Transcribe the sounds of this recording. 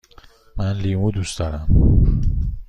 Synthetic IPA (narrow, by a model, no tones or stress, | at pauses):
manlimud̪usd̪ɒɾam